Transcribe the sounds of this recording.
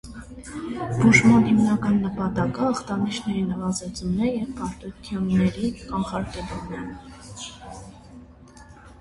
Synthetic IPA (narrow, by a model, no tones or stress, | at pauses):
b̥uʒmɑnhimnɑkɑnːəpɑt̪ɑkəːχt̪ɑnit͡ʃʰnɛɾinəvɑzɛt͡sunɛjɛvpɑɾt̪ut̪ʰjɔnːɛɾikɑnχɑɾkɛlumɛ